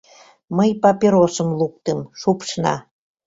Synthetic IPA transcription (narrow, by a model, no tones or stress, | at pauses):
məjpɑpʲeɾosə̆mluk̚t̪əmʃupʃnɑ̰